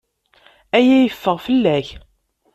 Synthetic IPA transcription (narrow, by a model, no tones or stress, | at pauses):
æjæjəfːəʁfəlːæç